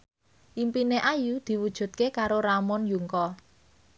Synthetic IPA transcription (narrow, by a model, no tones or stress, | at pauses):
ʔimpineʔajud̪̥i̤wud̥ʒ̥ṳt̪̚kekaɾoɾamɔnjuŋkɔ